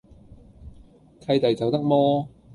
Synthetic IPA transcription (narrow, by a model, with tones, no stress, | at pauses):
kʰɐ˧jt̪ɐ˨˩jt͡sɐ˨wt̪ɐ˥k̚mɔː˥